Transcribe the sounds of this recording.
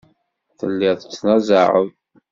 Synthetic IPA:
θəlːɪðˤət͡sːnɑzɑʕəð

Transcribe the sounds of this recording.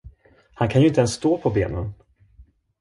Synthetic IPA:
hankʰanjɵɪnt̪əɛnst̪oːpʰɔbḛːnən

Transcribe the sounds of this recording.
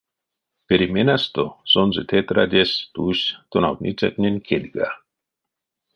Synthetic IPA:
peɾimenast̪osonzet̪ʰet̪ɾa̰d̪est̪uɕt̪ona̰w̪nʲʔit͡sa̰t̪nʲenʲkʰed̪ʲɡa̰

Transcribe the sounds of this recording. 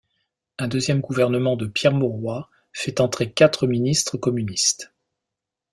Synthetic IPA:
ɛ̃d̪øzjɛmɡuvɛʁnəmɑ̃d̪əpjɛʁmɔʁwa | fɛt̪ɑ̃t̪χekat̪χəminist̪χəkɔmynist̪

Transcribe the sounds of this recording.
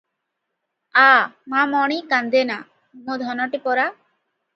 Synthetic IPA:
amamɔɽ̃ikand̪ena | mod̪ʱɔnɔʈipɔɾa

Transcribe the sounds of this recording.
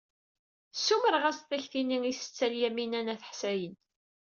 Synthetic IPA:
sːuməɾʁæsθæçθiniŋisə̥t͡sːæljæminænæθə̥ħsæjən

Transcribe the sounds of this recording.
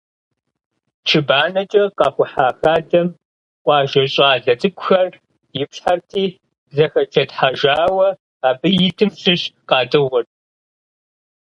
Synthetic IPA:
t͡ʃʰɨbaːnɐt͡ʃʼɐqɑːxʷʊħaːxaːdɐm | qʷʼɑːʒɐɕʼaːɮɐt͡sʼɨkʷʼʊxɐr | jɪpɬħartʰiː | zɐxɐt͡ʃʰɐtħaʒaːwɐ | aːbɨjɪtʰɨmsɨɕqɑːtʼɨwɔr

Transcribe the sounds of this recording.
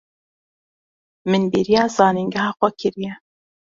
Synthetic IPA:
mɨnbeɾijɑːzɑːniŋɡæhɑːxʷɛkʰɨɾijɛ

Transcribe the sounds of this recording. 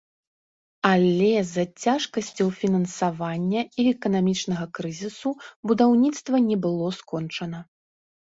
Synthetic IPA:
alʲɛzɐt͡sʲaʂkɐsʲt͡sʲɔwfʲinɐnsavanʲːɐiɛkɐnamʲit͡ʂnɐɣɐkɾɨzʲisubud̪awnʲit̪st̪vɐnʲɛbɨlˠɔskɔnt͡ʂɐnɐ

